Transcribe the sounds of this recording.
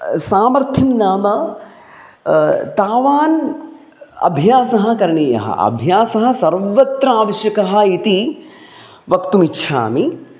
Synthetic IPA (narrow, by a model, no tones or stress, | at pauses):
saːmɐɾt̪ʰimnaːmɐ | t̪aːʋaːn | ɐ̰bʱjaːsɐɦɐ̆kɐɾɐɳiːjɐ̰ɦɐ̰ɐ̰bʱjaːsɐɦɐ̆sɐɾʋɐt̪ɾɐaːʋɐʃjɐkɐɦɐ̆it̪i | ʋɐkt̪umitːʃʰa̰ːmi